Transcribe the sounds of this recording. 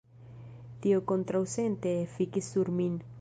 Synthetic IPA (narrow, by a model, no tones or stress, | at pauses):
t̪iokont̪ɾawsent̪efikisuɾmin